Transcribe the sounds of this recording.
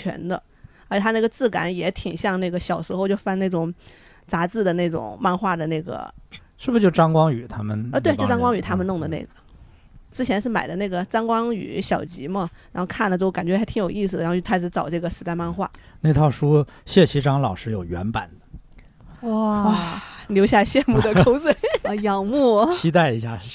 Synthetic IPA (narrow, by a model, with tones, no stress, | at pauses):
t͡ɕʰɥɛ̰˧˥nd̪ə̰˧ | ə˧˥t͡ɕɛ˨˩a˥ne˥˩ɡə˩t͡sɹ̩˥˩ka̰˧˥njɛ˧˥t̪ʰi˨˩ŋɕjɑ˥˧ŋna˥˩ɡə˩ɕjɑ˨˩ʊʂɻ̩˧˥xo˧ʊt͡ɕjo˥˧ʊfa˥˧ne˥˩ʈ͡ʂʊ˨˩ŋ | t͡sa˧˥t͡sɹ̩˥˩d̪ə˩ne˥˩ɪʈ͡ʂʊ̰˨˩˦ŋma˥˧nxwa˥˩d̪ə˩ne˥˩ɪɡə̰˩ʂɻ̩˥˩bə˩t͡ɕjo˥˩ʊʈ͡ʂɑ˥ŋkwɑ˥ŋy˨˩t̪ʰa˥mə˨n˧t̪we˥˧ɪt͡ɕo˥˧ʈ͡ʂɑ˥ŋkwɑ˥ŋy˨˩t̪ʰa˥mə˨nʊ˥˩ŋd̪ə˩nḛ˥˩ɪɡə˩ | ʈ͡ʂɻ̩˥t͡ɕʰjɛ˧˥nʂɻ̩˥˩ma˨˩ɪd̪ə˦na˥˩ɡə˩ʈ͡ʂɑ˥ŋkwɑ˥ŋy̰˨˩˦ɕjɑ˨˩ʊt͡ɕi˧˥mə˧ɻa˧˥xo˥˧ʊkʰa˥˩nlə˨˩t͡ɕjo˥˩ʊka˨˩nt͡ɕɥɛ˧˥a˥t̪ʰi˧˥ŋjo˨˩ʊi˥˩sɹ̩˩ə˩˧˥ɻ̩˧˥t͡sɑ˨˩ʊʈ͡ʂɤ˥˩ɡə˩sɹ̩˧˥t̪a˥˧ɪma˥˧nxwa̰˥˩ | ne˥˧ɪt̪ʰɑ˥˩ʊʂu˥ | ɕjɛ˥˩t͡ɕʰi˧˥ʈ͡ʂɑ˥ŋlɑ˨˩ʊʂɻ̩˥˧jo˨˩ʊɥɛ̰˧˥npa̰˨˩nd̪ə̥˦ | wɔ˥˩wa˥˩ljo˧˥ʊɕja˥˧ɕjɛ˥˧nmu˥˩d̪ə˩kʰo˥ʊswe˥˩ɪjɑ˨˩ŋmu˥˩t͡ɕʰi˥t̪a˥˩ɪi˧˥ɕja˥˧